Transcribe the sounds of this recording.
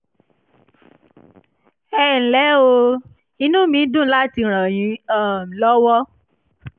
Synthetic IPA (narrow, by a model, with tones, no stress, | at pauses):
ɛ˦˨n̩˨lɛ˨˦o˧ | i˧nũ˦mĩ˨˦dũ˦˨˦la˦ti˧ɾ̃ã˨j̃ĩ˨˦ã˦˨lɔ˦wɔ˦